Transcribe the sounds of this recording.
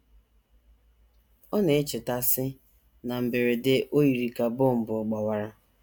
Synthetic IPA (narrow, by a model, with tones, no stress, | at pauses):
ɔ˦ne˨ɪ˦t͡ʃɪ˨ta˦sɪ˦ | na˨m̩˨bɪ˨ɾɪ˨dɪ˦ʔo˦ji˨ɾi˨ka˨bʊ˦˨m̩˨bʊ˨ʊ˨ɡ͡bɔ˨wa˦ɾa˦